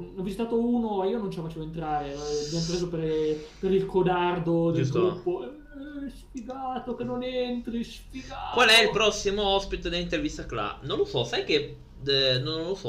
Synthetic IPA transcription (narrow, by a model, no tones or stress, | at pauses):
ɔvːizit̪aːt̪ouːnoiːonont͡ʃelafat͡ʃeːvoent̪ɾaːɾeabjamopɾeːzoperpeɾilkod̪ard̪odd͡ʒ̪ed͡ʒuɡ̪upːoɛ | spiɡaːt̪okenonent̪ɾispiɡakwalɛilpɾɔsːimoɔspit̪ed̪elːint̪ervist̪akla̰nõnlosɔsajke | nonlosɔ